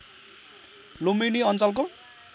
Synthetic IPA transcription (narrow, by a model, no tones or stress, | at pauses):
lomeniʌnt͡sʌlko